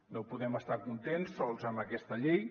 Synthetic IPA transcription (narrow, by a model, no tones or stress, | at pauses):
nopuðɛməst̪akunt̪ensːɔlˠzəmbəkɛst̪əʎej